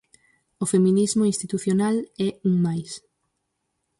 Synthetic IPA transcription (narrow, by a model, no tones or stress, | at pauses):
ofemĩnizmoinst̪it̪uθjonalɛuŋmajs